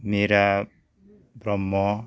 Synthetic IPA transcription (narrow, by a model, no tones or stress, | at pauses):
meɾa | bɾɔmːɔ